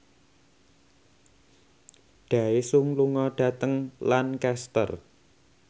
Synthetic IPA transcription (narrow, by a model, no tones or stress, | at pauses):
ɖ̪̥a̤esuŋluŋɔɖ̥ä̤t̪əŋlankɛst̪ə̰r